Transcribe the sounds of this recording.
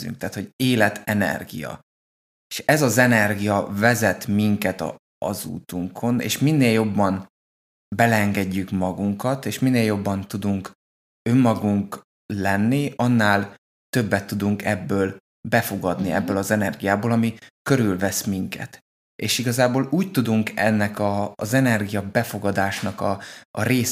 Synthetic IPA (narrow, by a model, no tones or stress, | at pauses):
y̰ŋk̚t̪aːt̪ho̞ɟeːlɛt̪ʰɛnɛ̰rɡḭjɒ̰ | eʃɛzɒzɛnɛrɡijɒvɛzɛt̪miŋkɛt̪ɒ̰ | ɒ̰zṵːt̪uŋkʰo̞nḛːʃminːeːljo̞bːɒn | bɛlɛŋɡɛɟːykmɒɡuŋkɒt̪eːʃminːeːljo̞bːɒnt̪ud̪uŋk | ø̞mːɒɡuŋk | lɛnːiʔɒnːaːl | t̪ø̞bːɛt̪ːud̪uŋkʰɛbːøːl | bɛfo̞ɡɒd̪niɛ̰bːøːlɒzɛnɛrɡijaːboːlɒmikø̞ɾylvɛsmiŋkɛ̰t̪ | ḛːʃiɡɒzaːboːluːc̚t̪ud̪uŋkɛnːɛkɒːzɛnɛrɡijɒbɛfo̞ɡɒd̪aːʃnɒkɒɒ̰ɾeːs